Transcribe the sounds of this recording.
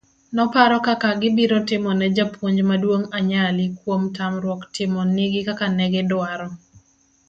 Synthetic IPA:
nɔpaɾɔkakaɡɪbiɾɔtɪmɔnɛd͡ʒapʰuɲd͡ʒmadwoŋaɲalɪkwomtamɾwɔktɪmɔnɪɡɪkakanɛɡɛdaɾɔ

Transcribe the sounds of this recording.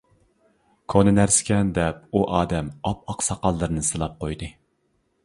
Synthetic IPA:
kʰonɨnæɾsɪ̥kʲɛnd̪ɛp̚uʔɑːd̪ɛmɑp̚ɑqsɑqɑlˠːɨɾɨnɨsɨlˠɑp̚qʰojd̪ɨ

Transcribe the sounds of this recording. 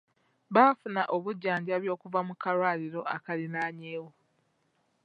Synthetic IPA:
βaːfunaʔo̞βuɟːaːɲɟaβjo̞ːkuvamukaɾwaːliɾo̞ʔakalinaːɲeːwo

